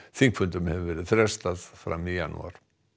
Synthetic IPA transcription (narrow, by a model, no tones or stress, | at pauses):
θiŋkʰfʏnt̪ʏmhɛvvɛːɾɪðθɾɛ̥st̪aðfɾa̰mːijanːṵa̰ɾ̥